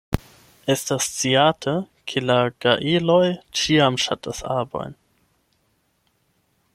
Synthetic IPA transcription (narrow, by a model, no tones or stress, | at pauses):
estast͡siatʰə | kʰelaɡ̥aʔilojt͡ʃiamʃatʰasa̰bo̞̰jn